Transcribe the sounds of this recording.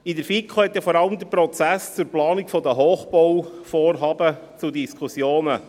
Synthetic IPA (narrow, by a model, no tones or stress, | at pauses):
idəɾfikʰohɛt̪jɑfɔɾɑləmd̪əɾpɾɔt͡sæst͡suɾplɑːnikfɔd̪əɦoːχb̥ɔwfoːrɦɑːbət͡sudiskχusjoːnə